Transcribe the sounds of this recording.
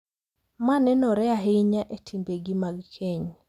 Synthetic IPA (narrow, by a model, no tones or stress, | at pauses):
manɛnɔɾɛaɦeɲaʔetʰimbeɡimaɡkʰeɲ